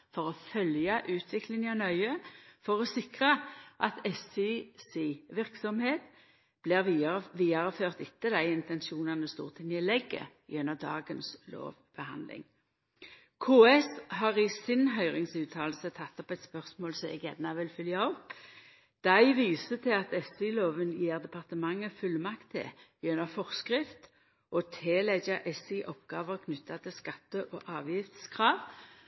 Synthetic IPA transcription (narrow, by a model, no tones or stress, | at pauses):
fɔʁɔfœljɑʔʉːt̪ʰʋɪklɪŋɔnœʏəfɔʁɔsɪkʁəʔɑt̪ɛsisiːʋɪʁksɔmheːt̪ | b̥liːʁʋiːɑʁəføːʁt̪ɪt̪ːəd̪æɪɪnt̪ɛnʃuːnɑnəst̪ṵːʁt̪ʰɪŋnɪlɛɡːə̰ | jɛnːəʁd̪ɑ̰ːɡənslo̰ːʋb̥əhɑ̰nd̪lɪ̰ŋ | kʰoːɛsɦɑːʁɪsɪnɦœʏʁɪŋsʉːt̪ʰɑːlsət̪ʰɑt̪ːɔpɛt̪spœʁsmoːlsɔmɛ̰ɡjɛnnːɑʋɪlfʏljɑɔp | d̪̥æɪʋiːsət̪ʰɪlɑt̪ɛsiloːʋənjiːʁd̪ɛpʰɑʁt̪əmɑŋːəfʉlːmɑkt̪ʰːɪ̰jœnəʁfɔʁskʁɪft̪ | ʔɔt̪ʰeːlɛɡɑʔɛsiʔɔpɡ̥ɑːʋəʁkʰnʏt̪ːɑt̪ʰɪlskɑt̪ːəʔoːʔɑːʋjɪft̪skʰʁɑːʋ